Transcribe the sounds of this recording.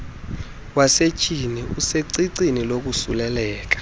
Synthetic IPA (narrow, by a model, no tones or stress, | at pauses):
waset͡ʃʼiniuseǀiǀinilok̬usṵlɛlɛːk̬ḁ